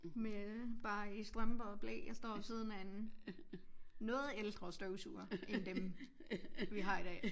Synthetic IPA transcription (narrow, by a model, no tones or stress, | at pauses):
meb̥ɑ̈ːisd̥ʁɑmb̥ɐðˠb̥lɛ̰ːjɑ̈sd̥ɒ̰ːsiːð̞ˠənæen | ɔ̽ːð̩ˠeld̥ʁɐsd̥øʊsṵɐend̥em | ʋiɦɑ̈id̥ɛ̰ː